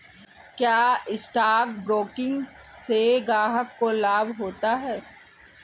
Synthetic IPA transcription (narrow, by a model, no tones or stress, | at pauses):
kjaːɪsʈaːkbɾoːkɪ̃ŋɡseɡaːɦəkːolaːbɦoːt̪aɦɛː